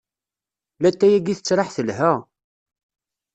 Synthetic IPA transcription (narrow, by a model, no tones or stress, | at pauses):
læt̪ːæjæɡiθət͡sːɾˤɑħθəlhæ